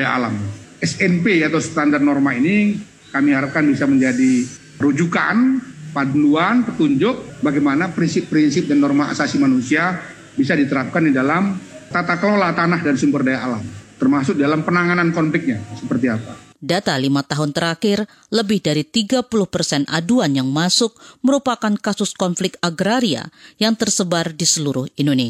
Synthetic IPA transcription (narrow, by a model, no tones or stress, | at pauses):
ajaa̰lamɛsɛnpeat̪awst̪andar̚nɔrmaini | kamiɦaɾap̚kanbisaməɲd͡ʒadi | əɾud͡ʒuka̰npaduluanpət̪uɲd͡ʒʊk̚baɡajmanapɾinsɪpːɾinsɪp̚danːɔrma̰sasimanusia | bisadit̪əɾap̚kandidalamt̪at̪akəlolat̪anahdansumbərdajaːlamt̪ərmasʊk̚didalampənaŋanankɔnflɪk̚ɲasəpərt̪iapadat̪alimat̪aɦʊnt̪əɾakɪr | ləbɪhdaɾit̪iɡapulʊhpərsɛnʔa̰duanjaŋmasʊk̚məɾupakankasʊskɔnflɪk̚t̪aɡɾaɾia̰jaŋt̪ərsəbardisəluɾʊhindone